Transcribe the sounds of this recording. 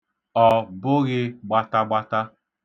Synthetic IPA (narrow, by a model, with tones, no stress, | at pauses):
ɔ˨bʊ˦ɣɪ˦ɡ͡ba˦ta˦ɡ͡ba˦ta˦